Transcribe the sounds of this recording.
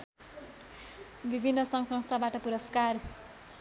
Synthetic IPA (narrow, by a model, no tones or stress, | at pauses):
bibʱinːʌsʌŋsʌ̃ŋst̪ʰabaʈʌpuɾʌskar